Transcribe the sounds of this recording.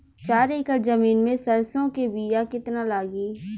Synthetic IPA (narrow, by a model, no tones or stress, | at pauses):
t͡ʃaːɾeːkəlzəmiːnmẽsəɾsõkebiːjakɪt̪nalaːɡiː